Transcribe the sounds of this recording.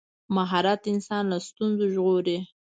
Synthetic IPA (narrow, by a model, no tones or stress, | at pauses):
maɦɑɾat̪ɪnsɑnlast̪unzoʒɣoɾe